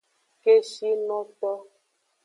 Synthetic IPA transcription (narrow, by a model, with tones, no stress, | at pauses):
ke˦ʃi˦nɔ̃˦t̪ɔ˦